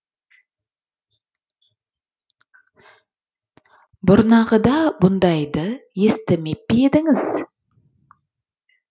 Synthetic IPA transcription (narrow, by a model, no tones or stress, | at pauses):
bʊɾnɑʁəd̪ɑbʊnd̪ɑjd̪əje̞st̪ɪmep̚peed̪ɪŋɪz̥